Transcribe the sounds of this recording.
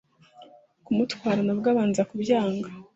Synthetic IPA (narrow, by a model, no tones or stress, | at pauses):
kumutwaːɾanabɡaːβaːnzakubjaːŋɡa